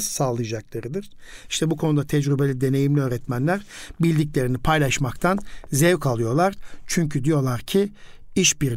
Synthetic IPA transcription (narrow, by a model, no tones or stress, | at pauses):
zsaːlˠɯjad͡ʒaklˠaɾɯd̪ɯɾ̥ | iʃt̪ʰɛbukʰo̞nud̪at̪ʰɛd͡ʒɾybe̞lʲid̪e̞ne̞jimlʲiøːɾɛt̪mænlʲæɾbilʲd̪iclʲe̞ɾinipʰajlˠaʃmakt̪ʰanzɛvkʰalˠɯjo̞lˠaɾ̥t͡ʃʰyɲcʰyd̪ijo̞lˠaɾcʰiiʃbiɾ